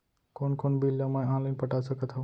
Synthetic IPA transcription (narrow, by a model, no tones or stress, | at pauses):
konkonbilːamãjãlənpəʈasəkət̪ɦə